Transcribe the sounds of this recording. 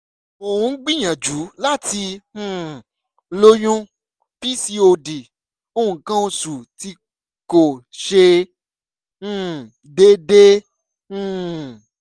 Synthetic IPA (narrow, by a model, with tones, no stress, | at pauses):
o˨hũ˧˦ɡ͡bĩ˦˨j̃ã˨d͡ʒu˨˦la˦tĩ˧˨ | lo˦jũ˦ | pi˦si˦o˧di˨ | õ˦˨kã˦o˧su˨ti˧ | ko˨ʃe˧˨ | de˦dẽ˦˨